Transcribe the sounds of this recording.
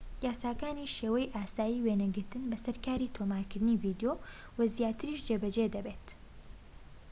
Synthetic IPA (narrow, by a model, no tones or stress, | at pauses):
jaːsaːkaːniʃeːwɐjʔaːsaːjiːwenɐɡɨɾt̪ɨnbɐsɐɾkaːɾit̪ʰomaːɾkɨɾd̪ɨniːvid̪ejo | wɐzjaːt̪ɨɾiʃd͡ʒebɐd͡ʒed̪ɐbeːt̪